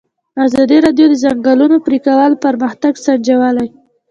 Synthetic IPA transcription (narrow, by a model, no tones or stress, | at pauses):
azɑd̪iɾɑdjod̪əzaŋɡalunopɾikawəlpaɾməxt̪aɡsaɳd͡ʒawəlaj